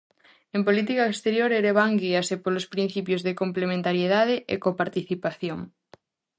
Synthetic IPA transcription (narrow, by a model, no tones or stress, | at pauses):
empolit̪ikaekst̪eɾjoɾeɾeβaŋɡiasepolospɾĩn̟θipjozðekomplemẽnt̪aɾjeð̞að̞eʔḛkopaɾt̪iθipaθjoŋ